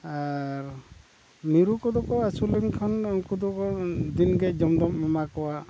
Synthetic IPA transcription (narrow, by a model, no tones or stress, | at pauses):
aɾ | miɾukɔd̪ɔkɔasulɛŋkʰanŋkud̪ɔkɔd̪inɡɛd͡ʒɔmd̪ɔmmɔmakɔwa